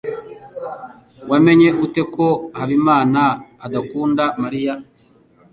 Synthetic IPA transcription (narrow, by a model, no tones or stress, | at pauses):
wame̞ɲe̞ʔute̞ko̞haβimaːnaːdakuːndamaɾija